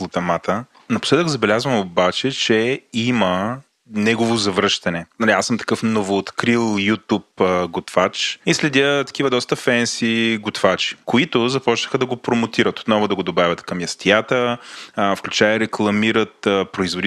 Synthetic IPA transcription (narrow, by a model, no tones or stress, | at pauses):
plˠot̪ɐmat̪ə | nɐpo̥slɛd̪əɡzɐbɛlʲazvəmobat͡ʃɛt͡ʃɛimə | nɛɡovozɐvɾɤʃt̪ɐnɛnɐliasəmt̪ɐ̥kɤfnovoːt̪kɾilˠjut̪upɡot̪fat͡ʃislɛd̪ʲət̪ɐ̥kʲivəd̪ɔst̪əfɛnsiɡot̪vat͡ʃi̥koit̪ʊzɐpɔt͡ʃnəxəd̪ɐɡopɾomʊt̪iɾət̪ot̪nɔvʊd̪ɐɡod̪obavʲət̪kɐmjɐst̪ijat̪ə | fklʲut͡ʃajəɾɛklˠɐmiɾət̪ːpɾoizvod̪i